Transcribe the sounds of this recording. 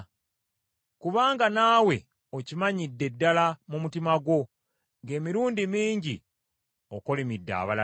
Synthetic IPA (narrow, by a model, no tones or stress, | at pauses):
kuβaːŋɡanaːwe̞ | ocimaɲidːe̞dːalamumutimaɡwo̞ | ŋɡe̞ːmiɾuːndimiːɲɟi | oko̞lemidːa̰ːβala